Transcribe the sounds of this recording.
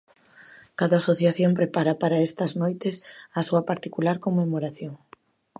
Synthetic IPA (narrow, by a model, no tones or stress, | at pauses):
kaðaasoθjaθjompɾepaɾapaɾaest̪ɐznojt̪esɐsuɐpaɾt̪ikulaɾkomemoɾaθjoŋ